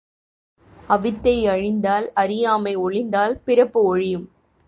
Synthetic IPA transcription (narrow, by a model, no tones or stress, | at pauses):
ɐʋɪt̪ːɐɪɐɻɪnd̪aːlɐɾɪjaːmɐɪɔɭɪnd̪aːlpɪɾɐpːɯɔɻɪjɯm